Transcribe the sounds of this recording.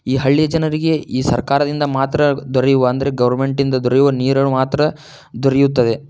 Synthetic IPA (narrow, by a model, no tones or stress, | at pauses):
iːɦɐɭːijɐd͡ʒɐnɐɾiɡe̞iːsɐ̰ɾkaːɾɐd̪ind̪ɐmaːt̪ɾɐd̪ɔɾɛjuʋɐɐnd̪ɐɾe̞ɡɐʋɐɾme̞ɳʈind̪ɐd̪ɔɾɐjuʋɐniːɾɐɳumaːt̪ɾɐ | d̪ɔɾejut̪ːɐd̪e̞